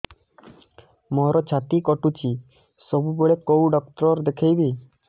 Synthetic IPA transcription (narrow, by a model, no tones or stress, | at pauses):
mɔɦɾɔt͡ʃʰat̪ikɔʈut͡ʃi | sɔbubeɭekowɖɔk̚ʈɾɔɾd̪ekʰejbi